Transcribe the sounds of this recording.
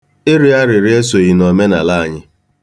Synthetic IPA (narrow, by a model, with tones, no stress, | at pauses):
e˦ɾɪ˨a˦ɾɪ˨ɾɪ˦e˦so˨ji˨no˨me˦na̰˨la˦˨ɲɪ˦